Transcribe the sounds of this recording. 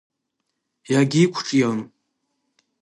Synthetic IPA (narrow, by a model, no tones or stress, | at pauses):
jaɡʲiːkʷʰʈ͡ʂʼjan